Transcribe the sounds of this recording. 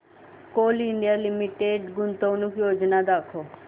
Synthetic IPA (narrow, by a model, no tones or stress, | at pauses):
koːlɪɳɖijaːlɪmɪʈeːɖɡʊnt̪õnũːkjoːd͡ʒnaːd̪aːkʰoː